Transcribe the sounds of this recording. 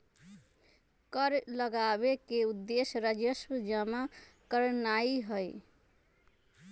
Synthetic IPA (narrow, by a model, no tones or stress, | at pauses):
kəɾləɡabekeud̪ːesɾəd͡ʒəswd͡ʒəma | kəɾnaiɦəj